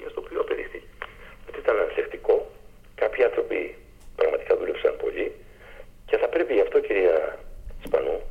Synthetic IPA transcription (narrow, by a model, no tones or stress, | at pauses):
iɐst̪o̞ːpioɐpe̞ðḭxt̪ice̥jot̪iit̪ɐnɐnθekt̪iko̞ | kɐpçiɐnθɾo̞pḭ | pɾɐɣmɐt̪i̥kɐðulepsɐ̰npo̞̰ʎi | ce̞θɐpɾe̞piɐft̪o̞ciɾiɐispɐ̰nu